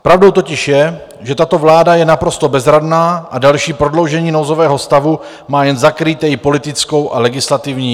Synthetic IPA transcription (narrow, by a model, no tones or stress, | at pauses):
pɾavdo̞wt̪̬ocɪʃjɛ | ʒɛt̪at̪o̞vlaːdajɛnapɾo̞st̪o̞bɛzɾadnaːʔadalʃiːpɾo̞dlo̞wʒɛɲiːno̞wzo̞vɛːɦo̞st̪avu | maːjɛnzakɾit̪ɛjɪpo̞lɪt̪ɪt͡sko̞wʔa̰lɛɡɪslat̪ɪvɲiː